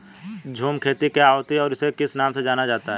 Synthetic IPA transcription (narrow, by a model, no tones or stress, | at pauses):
d͡ʒʱuːmkʰeːt̪ikjaɦot̪iɔːɾɪsekɪsnaːmsed͡ʒaːnad͡ʒaːt̪aɦɛː